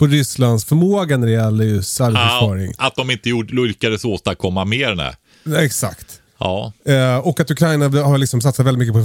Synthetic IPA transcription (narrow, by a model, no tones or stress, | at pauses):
pʰɔɾʏsland̪sfœɾmoːɡanæɾɛjɛlːəjɵsalsɑːɾɪ̰ŋat̪̚d̪ɔmɪnt̪əjuɖʊlkad̪əsoːt̪akʰɔmːameːɾnɛ̰ | ɛksa̰kt̪ | ɑːɔkːat̪ɵkʰɾajnaɛhaɾlɪksɔms̬at̪sat̪vɛlɪt̪mʏkːəpɔ